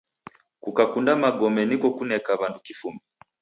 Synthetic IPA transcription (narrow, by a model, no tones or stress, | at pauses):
kukakundamaɡɔmɛnikɔkunɛkaβandukifumbi